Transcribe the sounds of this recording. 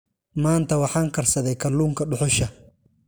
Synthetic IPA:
maːnt̪ʰɐwɑħɑːŋkʰɐrsɐðɛjkʰɐluːŋkʰɐɖʊħʊʃɐ

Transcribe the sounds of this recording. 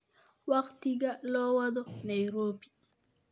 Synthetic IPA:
waktiɡalɔwad̪ɔnajuɾopi̥

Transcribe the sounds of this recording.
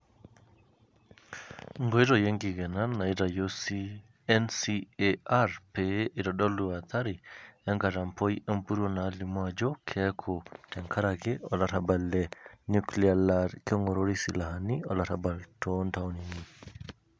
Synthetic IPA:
ŋɡɔjɾɔjeŋɡiɡɛnanːaidajosi | ɛnsiɛaɾpɛʔidɔɗɔlːuwat̪ʰaɾiɛŋɡaɾampɔjɛmpuɾɔnalimad͡ʒɔkʰɛkʰɔtɛŋkʰaɾaɡɛɔlatabalːɛnuklialaɾkɛŋɡɔɾoɾisilahaniɔ̰latabaltʰɔntawnini

